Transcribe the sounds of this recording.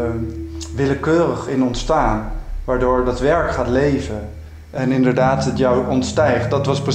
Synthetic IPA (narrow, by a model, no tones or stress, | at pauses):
ʋɪləkøːrəχɪnɔntstaːnʋaːɹdoːɹdɑtʋɛɹkχaːtlejvən | ɛnɪndəɹdaːtətjɔwɔntstɛjχt̚dɑtʋɑsprə